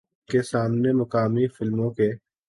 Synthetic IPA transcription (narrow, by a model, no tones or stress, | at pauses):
kesaːmnemɐkaːmifɪlmõke